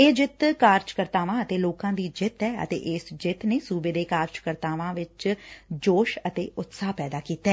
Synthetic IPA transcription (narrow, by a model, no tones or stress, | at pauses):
eːd͡ʒɪt̪kaːɾd͡ʒkəɾt̪aːʋãːət̪eːloːkãːd̪iːd͡ʒɪt̪ɛːə̰t̪ḛːʔɪsd͡ʒɪt̪neːsuːbeːd̪eːkaːɾd͡ʒkəɾt̪aːʋãːʋɪt͡ʃd͡ʒoːʃət̪eːʊt̪saːpɛːd̪aːkiːt̪ɛː